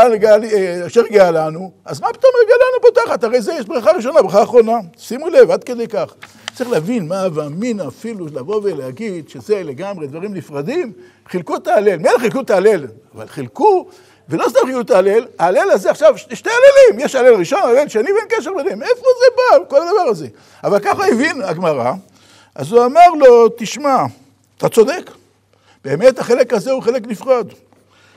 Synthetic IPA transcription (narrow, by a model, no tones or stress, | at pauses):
aleɡaliʃeʁɡealanuazmapi̥t̪o̞mʁɡealanubot̪aχat̪aʁe̞jzejeʃbʁaχaʁiʃ̬o̞nabʁaχaːχʁo̞nasimulevad̪ke̞d̪ejkaχ | t͡sʁiχleavinmaveaminafilulaʁo̞veleaɡid̪ʃezeleɡamʁed̪vaʁimnifʁad̪im | χilkut̪aːle̞lmeelχilkut̪aːle̞lava̰lχilku | velo̞st̪amχiut̪aːle̞laːle̞lazeaχʃavʃʃtealelimjeʃale̞lʁiʃo̞nale̞lʃenivenkeʃ̬eʁbenhemefozebalko̞lad̪avaʁaze̞ | avalkaχaevinaɡmaʁa̰ | a̰zuamaʁlo̞t̪iʃma | t̪at͡so̞d̪ek | b̥eːme̞t̪haχe̞le̞kazeuχe̞le̞knifʁad̪